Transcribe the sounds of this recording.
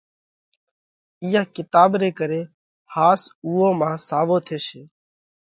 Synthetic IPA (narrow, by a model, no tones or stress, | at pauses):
ɪːaːkɪt̪aːbɾeːkəɾeː | haːsuːõːmãːsaːʋoːt̪ʰeːʃeː